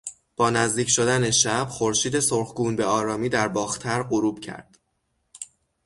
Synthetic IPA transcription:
b̥ɒːnæzd̪iːcʰʃod̪æne̞ʃæb̥χoɾʃiːd̪e̞soɾxɡuːnbe̞ɒːɾɒːmiːd̪æɾbɒːxt̪ʰæɾɢoɾuːb̥̚cʰæ̰ɾd̪̥

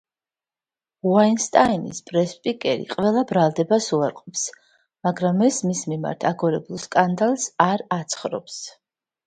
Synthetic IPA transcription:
uainst̪ʼainḭspʼɾɛspʼikʼɛɾḭqʼwvɛlˠabɾalˠd̪ɛbasuaɾqʼɔps | maɡɾamɛsmismima̰ɾt̪ʰaɡɔɾɛbulˠskʼand̪alˠsaɾat̪sʰχɾɔ̰ps

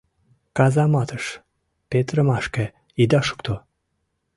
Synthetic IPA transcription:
kɑzɑmɑt̪əʃ | pet̪ɾə̆maʃke | id̪ɑʃu̥kt̪ʰo

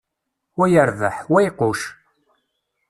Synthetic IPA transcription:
wæjəɾðə̰ħwæjqoʃ

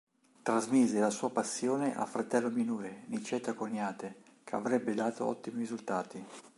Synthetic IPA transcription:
t̪ɾazmizelasuːapasːjoːneʔa̰fɾat̪ɛlːominuːɾenit͡ʃɛt̪akonjaːt̪e | kʰea̰vɾɛbːed̪aːt̪oɔ̰t̪ːimirizult̪aːt̪i

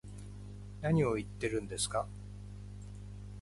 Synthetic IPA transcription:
naɲ̟io̞it̪ːe̞ɾɯ̟̃nd̪e̞sɨ̥ka

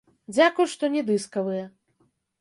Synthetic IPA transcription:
d͡zʲakujʂt̪ɔnʲɛd̪ɨskɐvɨjɛ

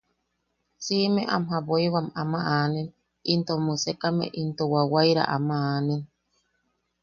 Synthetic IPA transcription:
simeʔamɦaβoiwamamaʔanin | int̪omusekamḛʔint̪owawajɾa̰ʔa̰maaːnin

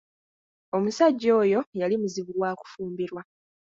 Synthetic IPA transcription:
o̞musaɟːo̞ːjo̞jalimuziβuɡwaːku̥fuːmbiɾwa

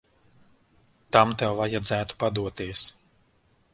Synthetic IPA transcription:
t̪amt̪ɛwvajad̪zæːt̪u̥pad̪uɔt̪iɛs

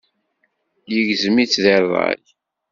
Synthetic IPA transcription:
jəʝzəmit͡sːðeɾðˤɑ̰l

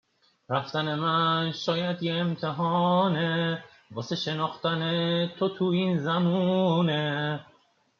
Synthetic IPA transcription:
ɾæft̪æne̞mænʃɒːjæd̪jeːmt̪ʰeɦɒne | bɒːseʃe̞nɒːxt̪ænet̪ʰot̪ʰuinzæmune

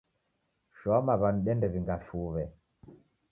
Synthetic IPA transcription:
ʃɔmaβanuɗɛndɛβiŋɡafuβɛ

